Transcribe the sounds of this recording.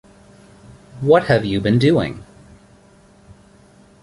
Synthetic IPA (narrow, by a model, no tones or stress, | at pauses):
wʌt̚hɨvjɨbɨ̃ndʉɪ̰̃ŋ